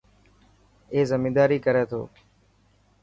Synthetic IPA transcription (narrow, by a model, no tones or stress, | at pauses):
eːzəmĩːd̪aːɾiːkəɾeːt̪ʰo̰ː